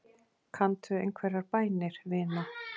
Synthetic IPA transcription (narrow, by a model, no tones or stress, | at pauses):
kʰant̪ʏḛjnkʰvɛɾaɾpaːjnɪɾ̥vɪːna